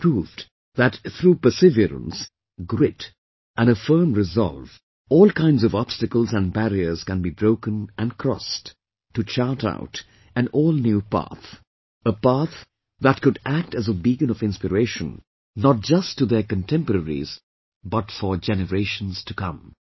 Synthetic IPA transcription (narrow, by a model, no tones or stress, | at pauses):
pʰɹuv | ðætt̪ɾuːpə˞sɪvəɾə̰̃ns | ɡɾɪt | ʔæ̃nəfɜ˞mɹɪzɑ̰lˠv | ɔːlˠkʰãɪ̃ndzʌvɑb̥stɨkəlˠzæ̃nbæɹiə˞z̥kɨ̃nbibɹoʊkə̃nʔɨ̃nkʰɹ̥ɔ̰stʰː | ut͡ʃɑɹta̰ʊt | ɨ̃nɔːlˠnjupæ̰θ | əpæθ | ðæt̚kʊdæk̚tɨzəbiɡə̃nɔvɪ̃nspəɾeɪʃə̃n | nət̚d͡ʒʌstːuðəkə̃ntʰɛ̃mpəɾɛɾḭz̥ | bʌtfəd͡ʒɛnəɹeɪʃə̃n̩z̥tʰukʌ̰̃m